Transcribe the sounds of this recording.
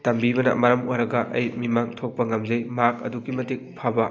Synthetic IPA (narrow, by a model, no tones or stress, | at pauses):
tɐmbibɐnɐ̰mɐɾɐmojɾɐɡɐʔɐ̰jmimaŋtʰok̚pɐŋɐmzɐjmakɐ̰duɡimɐtik̚pʰabɐ